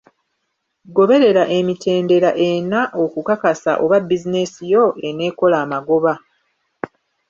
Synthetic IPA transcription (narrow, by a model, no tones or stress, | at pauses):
ɡo̞βe̞ɾe̞ɾaʔe̞mitʰe̞ːnde̞ɾaʔe̞naʔo̞kukakasa̰ʔo̞βabizine̞sijo̞ene̞ːko̞laːmaɡo̞βa